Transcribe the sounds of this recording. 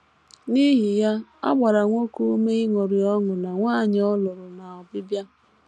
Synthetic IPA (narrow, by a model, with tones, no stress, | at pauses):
ni˦ɦi˨ja˦a̰˦ɡ͡ba˨ɾa˨ŋʷo˦ku˦me˦i˦ŋo˨ɾi˨ɔ˦ŋʊ˨na˨ŋʷa˦˨ɲ˨˦ɔ˦lʊ˨ɾʊ˨na˨ɔ˨bɪ˦bja˦